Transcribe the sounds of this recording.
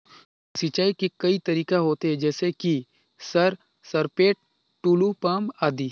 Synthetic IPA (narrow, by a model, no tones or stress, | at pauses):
sit͡ʃaːikikɐit̪ɐɾiːkaɦoːt̪eɦɛ̃d͡ʒɛːseki | sɐɾ | sɐɾpeːʈ̚ | ʈuːlupaːmaːd̪iː